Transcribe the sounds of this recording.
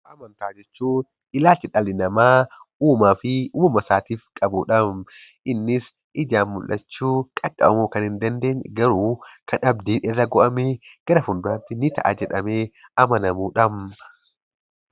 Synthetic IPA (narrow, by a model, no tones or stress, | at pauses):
ʔɐmɐnt̪aːd͡ʒɛt͡ʃːuːn | ɪlaːlt͡ʃːɪᶑɐlɪnɐmaːuːmaːfɪuːmmɐsaːt̪iːfkʼɐbuːᶑɐm | ʔɪnːɪs | ʔɪd͡ʒaːnmʊlʔɐt͡ʃːuːkʼɐkʼːɐbɐmoːkɐnhɪnd̪ɐnd̪e̞ːɲɡɐɾuːkʰɐnɐb̚d̪iːnɪrːɐɡɔʔɐmeːɡ̥ɐɾɐfʊnd̪ʊaːnt̪ːɪnɪt̪ɐ̰ʔa̰d͡ʒɛᶑɐmeː | ɐmɐnɐmuːᶑɐm